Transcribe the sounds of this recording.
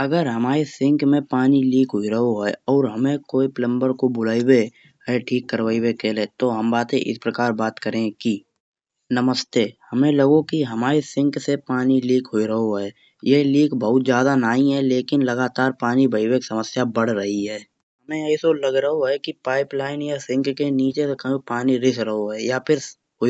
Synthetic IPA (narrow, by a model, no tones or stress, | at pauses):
ɐɡəɾɦɐmaːɾesɪ̃ŋkmẽpaːniliːkɦoiɾəɦoɦɛːɔːɾɦɐmẽkoːiplə̃mbəɾkobʊlaːibe | ɦɛʈʰiːkːəɾwaːiwekeːlẽt̪oɦɐmbaːt̪ẽʔɪ̰spɾɐkaːɾbaːt̪kəɾẽki | nəməst̪ehɐmẽlɐɡokiɦɐmaːɾesɪ̃ŋksepaːniliːkʰɦoːiɾɐɦoɦɛː | jeliːkbəɦʊt̪zjaːd̪anaːĩɦɛleːkɪnlɐɡaːt̪aːɾpaːnibəiweksɐməsjabɐɽ̤ɾɐɦiɦɛː | ɦɐmẽɛːsolɐɡɾəɦoɦɛkipaːɪplaːɪnjasɪ̃ŋkkeniːt͡ʃesekɐõpaːniɾɪsɾɐɦoɦɛjapʰɪɾ | ɦo